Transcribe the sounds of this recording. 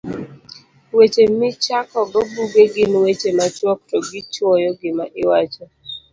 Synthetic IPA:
wet͡ʃemɪt͡ʃakɔɡɔbuɡeɡɪnwet͡ʃemat͡ʃwɔk̚tɔɡɪt͡ʃwɔjɔɡɪmaʔɪwat͡ʃɔ

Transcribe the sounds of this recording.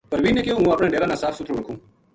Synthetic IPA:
pəɾʋiːneːkeːũːaːpɳẽːɖeːɾãːnãːsaːfsʊt̪ɾuːɽəkʰũː

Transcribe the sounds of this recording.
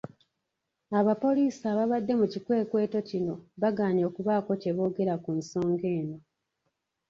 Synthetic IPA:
aβapo̞liːsaːβaβadːe̞mucikwe̞ːkwe̞ːto̞cino̞βaɡaːɲo̞ːkuβaːko̞ce̞βo̞ːɡe̞ɾakunso̞ːŋɡe̞ːno̞

